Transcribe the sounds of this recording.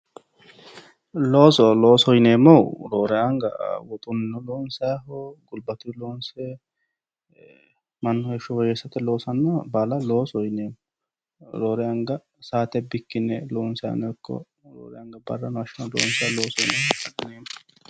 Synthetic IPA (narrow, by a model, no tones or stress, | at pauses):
loːsɔlo̞ːsɔjneːmːɔwɾoːɾɛɐŋɡɐ̰wɔt̪ʼʊnnɔloːnsɛɦɔɡʊlbɐt̪ɪloːnsɛ | mɐnːɔjɛʃɔwɔjesɐt̪ːɛloːsɐnːɐbɐlɐlo̞ːsɔjneːmːɔ | ɾoːɾɛɐŋɡɐ | saːt̪ɛbɪkːɪnɛloːnsɛa̰nɛkʰːɔ̰ | ɾo̰ːɾɛɐŋɡɐbɐ̰rːɐnʊɐʃɪnɐlo̰ːnsɛaloːsɔjnehɐd̪ɐneːmːɔ